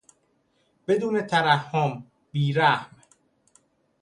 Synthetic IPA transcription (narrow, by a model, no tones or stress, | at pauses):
b̥e̞d̪uːne̞t̪ʰæɾæhːʊm | biːɾæhm